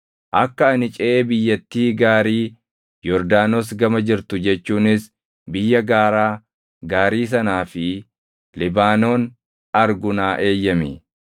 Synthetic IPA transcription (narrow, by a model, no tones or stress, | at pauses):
ʔɐkːɐːnɪt͡ʃʼɛʔeːbɪjːɐt̪ːiːɡaːɾiː | jɔɾd̪aːnoːs̬ɡɐmɐd͡ʒɪɾt̪ʊd͡ʒɛt͡ʃːuːnɪs | bɪjːɐɡaːɾaː | ɡaːɾiːs̬ɐnaːfɪ | lɪbaːno̞ːn | ɐɾɡʊnaːʔe̞ːjːɐmɪ